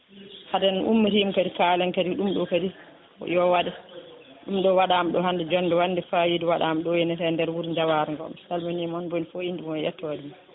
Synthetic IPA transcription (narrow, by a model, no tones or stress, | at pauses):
hadɛnʔṵmːiɾimkadikaːlɛnkadiɗumɗɔkadi | jɔwaɗɛ | ɗumɗɔwaɗamɗɔhandɛd͡ʒɔnːdɛwanːdɛfajidiwaɗamɗɔjɛnɛtɛndɛɾwuɾɲd͡ʒawaɾɛŋɡɔ̰msalmanimɔnbonifoindimɔjɛ̰tːɔdim